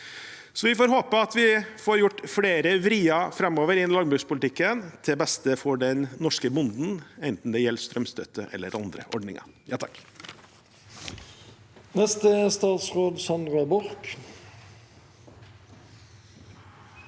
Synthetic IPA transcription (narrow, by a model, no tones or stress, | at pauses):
sɔʋɪfoːɾɦoːpəɑt̪ʋɪfoːɾjʊʈːfɽeːɾəʋɾiːɑfɾɛmːoːʋəɾɪɛnlɑŋbɾʉːspʊlɪt̪ɪkːənt̪ʰɛbɛst̪əfɔɖɛnnɔʂkəbʊnd̪n̩ɛnt̪n̩d̪ɛjɛlːst̪ɾœmst̪ʰœt̪ʰːəʔɛ̰lːə̰ɾɑnd̪ɾə̰ʔɔɖnɪ̰ŋɑ̰jɑːt̪ʰɑkː | nɛst̪əst̪ɑːt̪sʁoːd̪sɑnɾɑbʊɾk